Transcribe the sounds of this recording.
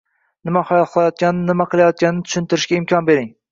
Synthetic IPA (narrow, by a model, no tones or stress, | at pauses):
nɪmahɒjɒlˠqʰɨlˠajɒt̪̚kʲanɪnɪmaqʰɨlˠajɒt̪̚kʲanɪnɪt̪ʰʊ̥ʃʊɪnt̪ɪɾɪʃkʲaɪmkʲʰɒnbe̞ɾɪŋ